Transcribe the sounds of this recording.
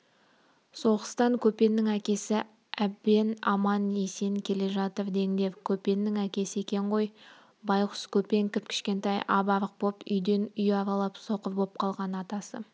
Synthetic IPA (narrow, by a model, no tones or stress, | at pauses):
so̞ʁəst̪ɑŋkʲʰɵpe̞nːɪŋækʲe̞sɪ | æbbe̞nɑ̰mɑne̞se̞nkʲʰe̞le̞ʒɑt̪əɾd̪e̞ŋd̪e̞wkʲʰɵpe̞nːɪŋækʲe̞sɪe̞kʲe̞ɴʁo̞j | bɑjqʰʊ̥skʲʰɵpe̞ŋkʲɪp̚kʲʰɪ̥ʃkʲe̞nt̪ɑjʔɑbɑɾəq̚bopʏjd̪e̞nʏjɑɾɑlˠɑpso̞qəɾbo̞p̚qʰɑlˠʁɑnɑt̪ɑsə